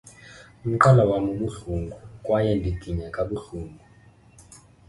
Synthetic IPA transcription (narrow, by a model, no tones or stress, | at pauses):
um̩ǃalawamuɓuɬuŋɡʱukʼwajɛndʱiɡ̥ʱiɲakʼaɓuɬuːŋɡʱu